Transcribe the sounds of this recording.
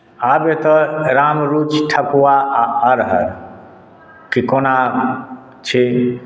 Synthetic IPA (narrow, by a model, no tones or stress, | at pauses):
abet̪əɾamɾut͡ʃʈʰəkuaaəɾɦə̰ɾ | kikona | t͡ʃʰe